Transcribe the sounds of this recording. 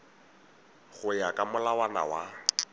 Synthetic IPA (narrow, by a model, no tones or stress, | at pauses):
ɣʊjakʼamʊlawana̰wa